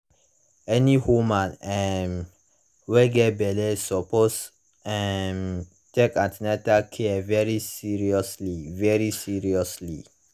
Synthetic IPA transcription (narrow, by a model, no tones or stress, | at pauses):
ɛnihomãnɛm | wɛɡɛbɛlɛsɔpos | ɛm | tekãntinɛtakʰɛvɛɹisiɹiɔslivɛɹisiɹiɔsli